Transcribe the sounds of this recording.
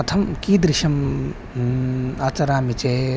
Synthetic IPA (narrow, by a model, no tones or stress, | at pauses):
ɐt̪ʰɐmkiːd̪ɾiʃɐm | aːt͡sɐɾaːmit͡ʃe